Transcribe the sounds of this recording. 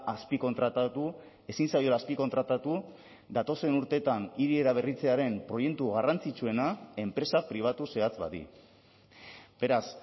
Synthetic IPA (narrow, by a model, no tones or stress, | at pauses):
aspiko̞nt̪ɾat̪at̪u | e̞sinsajo̞ɾaːspiko̞nt̪ɾat̪at̪u | d̪at̪o̞se̞nuɾt̪e̞t̪aniɾie̞ɾaβ̞e̞rit͡se̞aɾe̞mpɾo̞je̞kt̪uɣarant͡sit͡sue̞nae̞mpɾe̞sapɾiβ̞at̪use̞at͡sβa̰ðḭ | b̥e̞ɾas